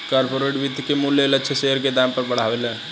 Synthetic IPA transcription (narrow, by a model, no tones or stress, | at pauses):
kaːɾpoːɾeːʈʋɪd̪ʱkemʊljelətːʃʰeseɦəɾked̪aːmpəɾbəɽ̤aːʋelɛː